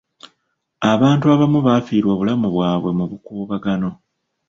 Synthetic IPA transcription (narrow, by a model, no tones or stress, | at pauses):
aβaːntuaβamuβafiːɾwaβulamuβwaːβwe̞muβukuːβaɡano̞